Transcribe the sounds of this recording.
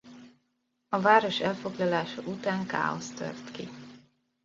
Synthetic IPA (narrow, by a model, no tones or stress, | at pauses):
ɒvaːɾo̞ʃɛlfo̞ɡlɒlaːʃɒʔut̪aːŋka̰ːo̞st̪ø̞̰rt̪ki